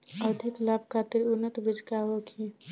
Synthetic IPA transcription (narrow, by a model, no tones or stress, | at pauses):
əd̪ʱiklab̚kʰat̪iɾunːət̪bid͡ʒʱkaɦokʰi